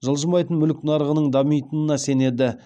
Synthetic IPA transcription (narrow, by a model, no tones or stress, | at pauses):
ʒəlˠʒəmɑjt̪ənmʏlɪkʲnɑɾəʁənəɴd̪ɑmijt̪ənənɑse̞ne̞d̪ɪ